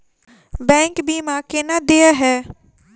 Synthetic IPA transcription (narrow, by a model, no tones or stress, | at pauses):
bɛ̃ːŋkbiːmãkenad̪eaɦɛː